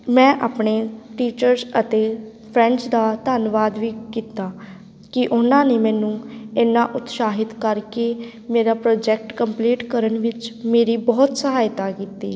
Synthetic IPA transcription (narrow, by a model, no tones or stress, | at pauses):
mɛ̃ːʔaːpɳeːʈiːt͡ʃəɾzət̪eː | pʰɾɛ̃ːɳɖt͡ʃd̪aːt̪aːnʋaːd̪ʋiːkiːt̪aː | kɪʔʊnãːneːmɛ̃ːnũːɪnːãːʔʊt̪ʃaːɦɪt̪kəɾkeː | meːɾaːpɾoːd͡ʒɛːk̚ʈkəmpliːʈkəɾənʋɪt͡ʃmeːɾiːbɔːt̪səɦaːɪt̪aːkiːt̪ḭː